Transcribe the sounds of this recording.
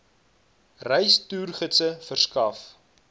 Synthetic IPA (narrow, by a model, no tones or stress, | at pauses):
rɛjstyːrχətsəfərskɐf